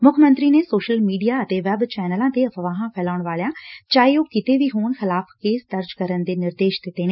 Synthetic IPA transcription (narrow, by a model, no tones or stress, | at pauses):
mʊkʰmə̃nt̪ɾiːnesoːʃəlmiːɖijaːət̪eʋɛbt͡ʃɛːnəlãːt̪eəpʋaːɦãpʰɛːlaːʊɳ̃ʋaːljãːt͡ʃaːiokɪt̪eʋiɦoːnxɪlaːfkeːsd̪əɾd͡ʒkəɾənd̪eːnɪɾd̪eːʃd̪ɪt̪eːneː